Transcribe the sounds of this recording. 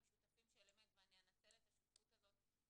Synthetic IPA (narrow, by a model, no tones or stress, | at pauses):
ʃut̪afimʃelemet̪meanjanat͡selet̪aʃifut̪azo̞t̪